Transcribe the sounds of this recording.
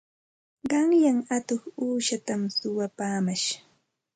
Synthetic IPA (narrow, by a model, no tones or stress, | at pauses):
ɢɑŋjaŋat̪oχuːʃat̪amsʊwapaːmaʃ